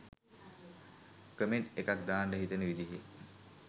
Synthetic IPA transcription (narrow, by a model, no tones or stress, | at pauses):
kəmeɳʈekak̚d̪aːɳɖəɦit̪ənəʋid̪iɦe